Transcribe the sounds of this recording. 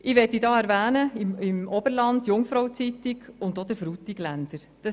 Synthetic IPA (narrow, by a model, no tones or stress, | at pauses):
ɪʋɛtːidɑːæɾʋæːnəɪmɪmɔbəɾlɑndjʊŋfɾɔwt͡sit̪ikʊndod̥̪əfɾutiɡlænd̥əɾ | d̥ɑ